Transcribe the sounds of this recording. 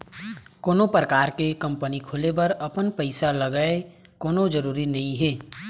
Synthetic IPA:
koːnopɾəkaːɾkekɐ̃mpənikʰolebɐɾɐpənpəɪsaləɡəe | koːnod͡ʒəɾuːɾinɐɦĩɦeː

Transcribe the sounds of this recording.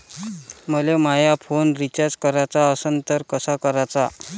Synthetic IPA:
məlemajafonɾit͡ɕaɾd͡zkəɾat͡saəsənt̪əɾkəsakəɾat͡sa

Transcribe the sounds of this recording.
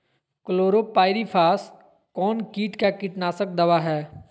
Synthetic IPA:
kʊloːɾoːpaːɪɾifʰaːs | kɔːnkiːʈkakɪʈnaːsək̚d̪ɐʋaɦɛː

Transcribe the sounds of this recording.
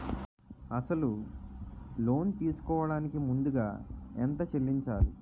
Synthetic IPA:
ɐsɐlu | lo̞ːnt̪iːsu̥kɔːʋɐɽaːnikimund̪uɡa̰ːḛnt̪ɐt͡ʃelːiɲt͡ʃaːlu

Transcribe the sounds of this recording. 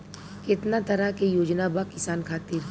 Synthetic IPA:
kɪt̪nat̪ɐɾakejoːd͡ʒnabakɪsaːnkʰaːt̪ɪɾ

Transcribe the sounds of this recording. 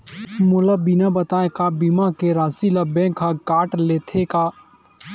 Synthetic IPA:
mʊləbinabɐt̪aːekabimãkeɾaːsilabẽkʰakaːʈleːt̪ʰekaː

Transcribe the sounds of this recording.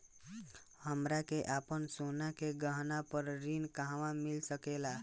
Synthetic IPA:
həmɾakeʔaːpənsonakeɡəɦnapəɾɾinkaɦʋãmɪlsəkeːlaː

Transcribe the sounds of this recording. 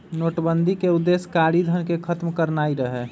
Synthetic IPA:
noʈbənd̪ʱikeud̪ːeskaɾid̪ʱənkekʰət̪mkəɾnaiɾəɦɛ

